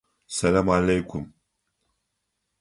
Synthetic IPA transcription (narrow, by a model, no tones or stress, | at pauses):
sɐlamalejkʷʰʊm